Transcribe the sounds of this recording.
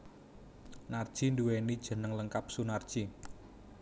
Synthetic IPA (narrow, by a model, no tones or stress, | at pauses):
nard̥ʒ̥i̤nduwenid̥ʒ̥ə̤nəŋləŋkap̚sunard̥ʒ̥i